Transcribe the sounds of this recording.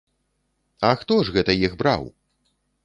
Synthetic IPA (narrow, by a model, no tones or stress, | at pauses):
ɐxt̪ɔʐɣɛt̪ɐjiɣbɾa̰w